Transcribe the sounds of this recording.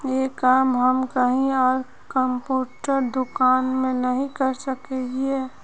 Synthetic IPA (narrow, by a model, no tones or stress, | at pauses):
jekaːmɦəmkəɦĩɔːɾ | kə̃mpuːʈəɾd̪ʊkaːnmẽnəɦĩkəɾsəkeie